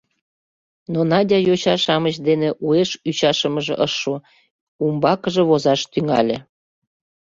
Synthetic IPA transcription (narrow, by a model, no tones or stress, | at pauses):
nonɑdʲɑjoɕɑʃɑmət͡ɕd̪eneʔueʃyt͡ɕɑʃəməʒḛʔəʃːu | umbɑkəʒĕβozɑʃt̪yŋɑ̰lʲĕ